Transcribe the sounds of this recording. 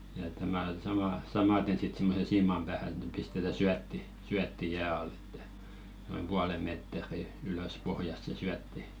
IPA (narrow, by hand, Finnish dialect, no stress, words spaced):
jɑ et tæmæ sɑmɑˑ sɑmɑten sit simːosen siːmɑm b̥æːhæ ĕt̆ n̆ĕ pistetæ syætːi syætːi jæː ɑl e̥tːæ̥ noim puɑle meˑtˑĕri yløs pohjɑst se syætːi